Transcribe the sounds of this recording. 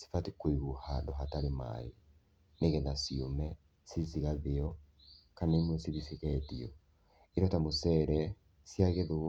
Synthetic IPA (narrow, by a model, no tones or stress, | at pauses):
si̥fatikwiɣuhadɔɦataɾema̰jo | neɣɛðasiomɛ | siziɣaðeɔ | kaneimwɔsiβisikɛtiɔ | iɾɔtamosɛɾɛ | sjaɣeðo